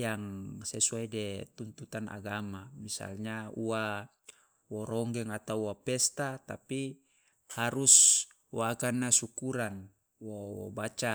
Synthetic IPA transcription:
jaŋsesuaidɛt̪unt̪ut̪ana̰ɡamamisa̰lɲaua | wɔɾɔŋɡɛŋat̪auuwapɛst̪at̪api | haɾus | woakanːasukuɾan | wowɔ̰bat͡ʃa

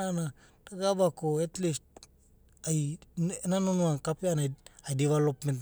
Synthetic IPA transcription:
ana | taɡabakoetlist̚ | ajnanonuankapeanajajdiβelopment

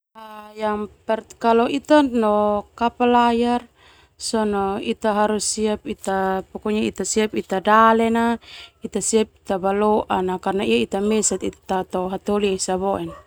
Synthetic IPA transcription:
ajaŋpɛrt̪kalɔit̪anɔkapalajar | sɔnɔit̪aɦaɾusiap̚it̪apɔkɔɲait̪asiapit̪adalɛnait̪asiap̚i̥t̪abalɔʔanakarnaiait̪amɛsat̪it̪at̪ɔɦat̪olisabɔʔɛn

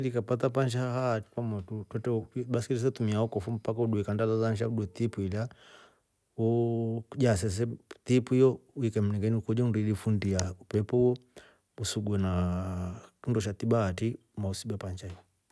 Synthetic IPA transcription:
likapat̬ap̬ant͡ʃahati̥kamatutwɛtɛiɓaskilis̬ɛtumiaɔkɔfum̩pakauɗuɛkandalazanʃauɗuɛt̪ipuila | ud͡ʒas̬ɛs̬ɛt̪ipuijɔuikɛm̩nɛŋɡɛniukɔd͡ʒɔndilifundiaupɛpɔuɔ | usuɡɛna | kundɔʃ̬at̪ibati | mausibapant͡ʃaijɔ

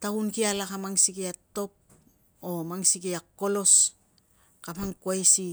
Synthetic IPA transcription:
taunkialakamaŋsikiato̞p̚ | o̞maŋsikiakːo̞lo̞s | kamaŋkuajsi

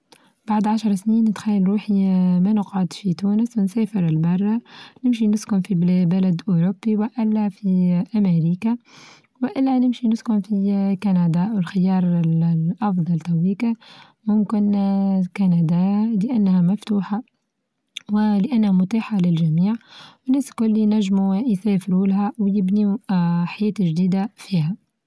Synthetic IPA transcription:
b̥aʕd̪ʕaʃɑɾˤsniːnːɪt̪xæjːalɾuːħimænʊqʕod̪fit̪uːnəswɪnseːfɪɾɪlbɑrˤːɑnɪmʃ̬inʊskʊmfiblæbælæd̪ʔʊɾʊbːiwɪʔɪlːæfiʔamɪɾiːka | wɪʔɪlːænɪmʃinʊskʊmfikanad̪aːʔwɪlxɪjɑːɾˤlʔɑfd̪ˤɑlt̪awiːka | mʊmkɪnkanad̪aːlɪʔanːhæmaft̪uːħa | wɪlɪʔanːhæmʊt̪aːħalɪlʒæmiːʕwɪneːskʊlːinæʒːmujseːfɪɾulɦæwjɪbniħajeːt̪ʒd̪iːd̪afiːha

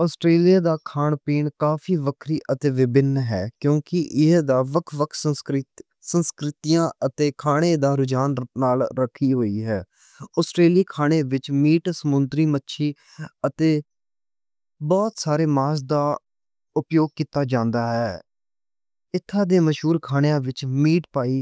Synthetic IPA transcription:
ɔːsʈɾeːlijaːd̪aːkʰaːɳpiːɳkaːfʰiːʋəkʰɾiːʔət̪eːʋɪbɪnɦɛːkjõːkɪʔɪd̪aːʋəkʰʋəkʰsə | sənskɾɪt̪iːjãːət̪eːkʰaːɽ̃eːd̪aːɾʊd͡ʒaːnːaːlɾəkʰiːɦoːiːɦɛː | ɔːsʈɾeːliːkʰaːɽ̃eːʋɪt͡ʃmiːʈsəmʊnt̪ɾiːmətːʃʰiː | ət̪eː | bɔːt̪saːɾeːmaːs̬d̪aː | ʊpjoːɡ̚kiːt̪aːd͡ʒãːnd̪aːɦɛː | ɪt̪ʰːãːd̪eːməʃɦuːɾkʰaːɽejãːʋɪt͡ʃmiːʈpaːiː

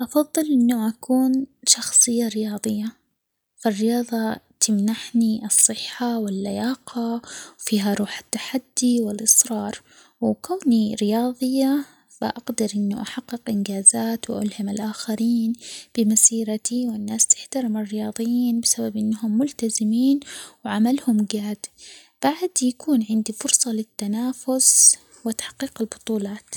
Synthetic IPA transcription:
ʔɑfɑðˤːɨlʔɪnːʊʔakuːnʃɑxsˤɨjːaɾɪjɑːðˤɨjːa | firːɪjɑːðˤɑt̪ɪmnaħniʔɨsˤːɨħːawɪlːajaːqɑwfiːɦaɾˤuːħḁt̪ːaħad̪ːiwɪlʔɨsˤɾˤɑːɾˤ | wkawniɾɪjɑːðˤɨjːa | b̥ɪ̰ʔaɡd̪ɑɾʔɪnːuʔaħaqːɪqʔɪnɡaːzaːt̪wʔa̰lhɪmɪlʔaːxaɾiːnb̥ɪmasiːɾat̪iwɪnːaːst̪ɪ̥ħt̪aɾɪmɪrːɪjɑːðˤɨjiːnbɪsababʔɪnːɦʊmːʊlt̪azɪmiːnwʕamalhʊmɡaːd̪ | b̥aʕd̪jakuːnʕɪnd̪ifʊɾsˤɑlɪt̪ːanaːfʊs | wɪt̪ḁħqːiːqɪlbʊt̪ˤuːlɑːt̪

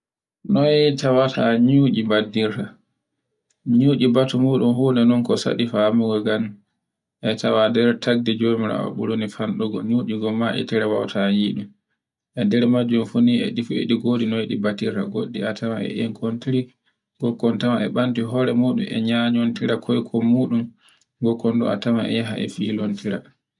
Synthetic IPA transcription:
nɔjtawatʰaɲud͡ʒibadiɾta | ɲuːʔibatumuːɗunhunɛnɔnkɔsa̰ɗifamuɡɔɡan | ʔɛtawadɛɾtʰaɡ̚did͡ʒomiɾa̰ɔ̰ɓuɾunifanɗɔɡɔ̰ɲuːd͡ʒiɡɔmaʔɛ̰tɛɾɛwa̰wtʰajiɗu | ʔɛndɛɾmad͡ʒːumfuniɛ̰ɗifuḛɗiɡodinɔeɗibatiɾa̰ɡoɗːiatʰamaɛ̰ʔɛŋkʰontiɾi | ɡ̥ɔkːɔntamaɛɓantiɦɔɾɛmuːɗṵmʔɛ̰ɲaɲontiɾakʰɔjkʰɔmuːɗum | ɡɔkːɔnɗɔ̰a̰tama̰ɛ̰jaɦa̰ɛ̰fiːlontiɾa̰

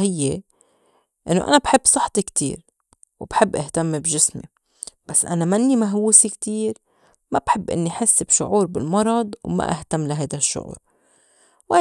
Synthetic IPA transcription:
hɪjːe | ʔɪ̰nːoʔa̰nabħɪbːsˤɨħt̪ˤikt̪ḭːɾ | wb̥ħɪbːʔaht̪amːbʒɪsmḭ | b̥asːʔa̰namanːimaɦwuːsikt̪iːɾ | mabħɪbːʔɪ̰nːiħɪsːɪbʃʊʕuːɾbɪlmɑɾˤɑd̪ˤwma̰ʔa̰ht̪amːlaɦajd̪aʃːʊ̰ʕṵːɾ | wʔa

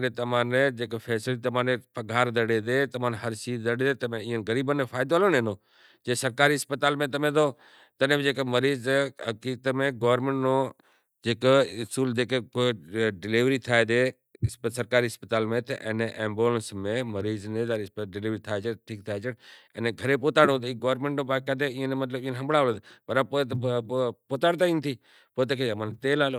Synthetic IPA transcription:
net̪ɐmãːned͡ʒeːkefʰeːslit̪ɐmãːnepɐɡʱaːɾd̪əɽed̪eːt̪əmãːnɦəɾsiːd̪əɽed̪eːt̪ɐmẽĩːənɣəɾiːbənẽfʰaːɪd̪ʋaːloːnenoː | d͡ʒeːsəɾkaːɾiɪspət̪aːlmẽt̪əmẽd̪oː | t̪ənẽmẽd͡ʒeːkeməɾiːzɦəkiːkt̪mẽɡoːʋəɾmẽɳʈnoː | d͡ʒeːkʊsuːld͡ʒeːkekoɖɪliʋɾiːt̪ʰaːed̪e | spsəɾkaːɾiːɦəspət̪aːlmẽt̪ʰʔḛːneʔẽːmboːlənsmẽməɾiːznẽzaːɾisɖɪliːʋɾit̪ʰaːet͡ʃʰəʈʰik̚t̪ʰaːet͡ʃʰəɽɛːnɡʱəɾepoːt̪aːɽõt̪iɡoːʋɾmẽɳʈnõːpaːkaːd̪eĩːnemət̪ləbĩːnɦəmbɽaːoləd̪pəɾapoːet̪poːt̪aːɽt̪aĩːnt̪ʰiː | poːt̪̬əkeamənt̪eːlaːlo

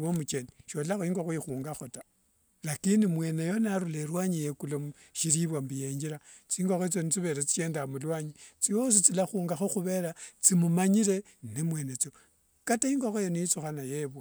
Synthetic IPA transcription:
womut͡ʃeniʃolaxoiŋɡoxoixuːŋɡaxota | lakinimwe̞ːnejo̞naɾuleɾwaɲijekulomʃiɾiβwambije̞ɲd͡ʒiɾa | t͡siːŋɡoxet͡sonit͡siβe̞ɾat͡si̥t͡ʃe̞ːndamulwaːɲit͡sijos̬it͡silaxuːŋɡaxo̞xuβe̞ɾat͡simumaɲiɾe̞ | nemwe̞ːnet͡so | kataiŋɡoxojoniit͡suxanajeβwa

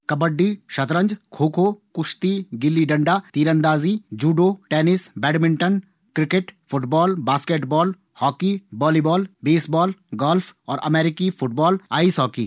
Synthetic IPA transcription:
kɐbəɖːiʃɐt̪ɾə̃ɲd͡ʒkʰoːkʰoːkʊʃt̪iɡɪlːiɖɐɳɖaːt̪iːɾə̃nd̪aːzid͡ʒuːɖoːʈeːnɪsbɛːɖmɪ̃ɳʈən | kɾɪkeʈfʰʊʈbɔːlbaːskeːʈbɔːl | hɔːkibɔːliːbɔːlbeːsbɔːlɡɔːlpʰɔːɾʔɐ̰meːɾɪkifʰʊʈ̚bɔːla̰ːisɔːkḭː

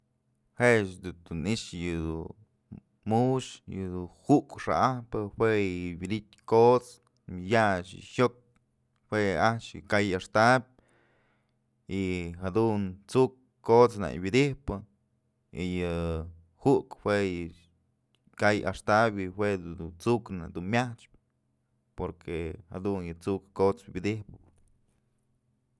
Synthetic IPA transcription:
heʃd̪ud̪uniʂjɨd̪u | muʃjɨd̪uhuʔkʂa̰ʔahpɨhweɨbid̪it̪̚ʲkot͡s | mjaʃɨ̰çok̚ | hweat͡ʃjɨ̰kajaʂt̪ab̚ʲ | iɦad̪unt͡suk | kːot͡sna̰jbid̪ihpɨ | ijɨ | hukwejɨ | kaja̰ʂt̪abʲiwed̪ut͡sukna̰d̪unmʲaht͡ʃp | poɾkʰehad̪unjɨt͡sukːot͡sbʲid̪ihpɨ

